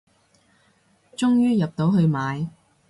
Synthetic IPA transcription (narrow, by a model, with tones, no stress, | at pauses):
t͡ʃʊ˥ŋjyː˥jɐ˨p̚t̪o˨˥wɦɵ˧ɥmaː˨˧j